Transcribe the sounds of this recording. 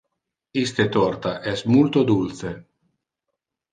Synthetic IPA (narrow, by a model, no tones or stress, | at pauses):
ist̪et̪ɔrt̪aʔɛsmult̪od̪ulθe